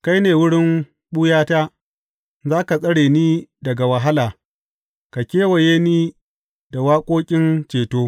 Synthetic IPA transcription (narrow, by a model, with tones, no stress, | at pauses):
ka˦jneː˨wʊ˦ɽɪ˦m | ɓu˦jaː˦taː˦ | zaː˦ka˨sʼɐ˦ɽeː˨niː˦dɐ˨ɡa˨wɐ˨ɦa˦laː˨ | ka˨kʲeː˦wɐ˨jeː˦niː˦ | da˨waː˦kʷʼoː˦kʲʼɪ˦nt͡ʃeː˨toː˦